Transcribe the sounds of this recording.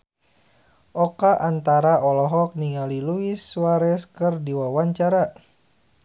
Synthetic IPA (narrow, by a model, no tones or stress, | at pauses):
ʔɔkaʔant̪aɾaɔlɔɦɔk̚niŋaliluiswaɾɛskɨrdiwawaɲt͡ʃaɾa